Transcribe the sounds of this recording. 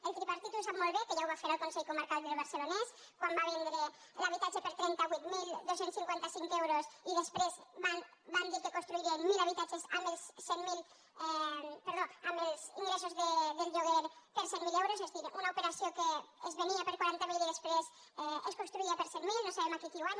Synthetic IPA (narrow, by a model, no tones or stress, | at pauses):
elt̪ɾipaɾt̪it̪uesamolβekeʒauβafeɾalˠkonsɛʎjkomaɾkald̪elβ̞aɾselones | kwambaβɛnd̪ɾe | laβ̞it̪at͡ʃepeɾt̪ɾɛnt̪aβut̪mild̪osenssiŋkwent̪asiŋkewɾosiðespɾezban | band̪iɾkekonst̪ɾuiɾenmilaβ̞it̪at͡ʃesambelssːɛnmil | peɾðoambelzḭŋɡɾesozðeðelʎoɣeɾpeɾsenmilewɾosezðiɾunaopeɾasjokeːzβeniapeɾkwaɾant̪amiliðespɾes | eskonst̪ɾuiapeɾsenmilnosaβemakikiuaɲ